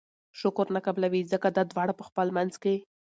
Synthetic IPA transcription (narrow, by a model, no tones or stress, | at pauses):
ʃʊkʊɾnakablawizəkad̪ɑd̪wɑɽapəxpəlmanzke